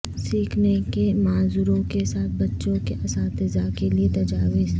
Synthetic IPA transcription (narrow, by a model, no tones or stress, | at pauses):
siːkʰnekemaːzuːɾõkesaːt̪̚ʰbɐtːʃõkeʔɐsãːt̪ɪzakeliet̪ɐd͡ʒaːʋɪz